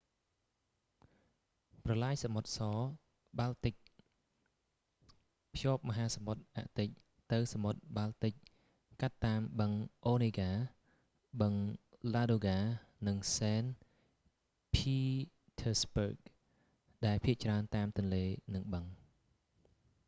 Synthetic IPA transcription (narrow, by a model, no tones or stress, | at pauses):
prɑlaːjsamot̪̚sɑː | ɓalt̪ɨc̚ | pʰjoːp̚mɔɦaːsamot̪̚ʔa̰ʔt̪ɨc̚ | t̪ɨwsamot̪̚ɓalt̪ɨc̚ | kat̪ːaːmɓəŋʔoːneːɡaː | ɓəŋlaːɗoːɡaːnɨŋsɛːn | pʰiː | t̪ʰəːsbək̚ | ɗaɛlpʰiəʔt͡ɕraənt̪aːmt̪ʊ̆ənleːnɨŋɓəŋ